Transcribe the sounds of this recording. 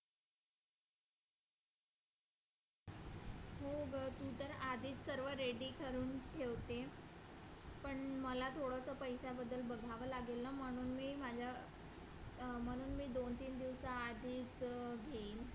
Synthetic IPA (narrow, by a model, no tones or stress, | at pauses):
muːɡt̪ut̪əɾad̪ʱiːt͡ssəɾʋəɾeɖiːkʰəɾuːnʈʰeʋt̪e | pəɳməlat̪ʰoɽəsəpəjsabəd̪ːəlbəɡʱaʋəlaɡelːəm̤əɽ̃uːnmiːmad͡ʑʱja | m̤əɽ̃uːnmiːd̪ont̪iːnd̪iʋsaːd̪ʱiːt͡sɡʱeiːn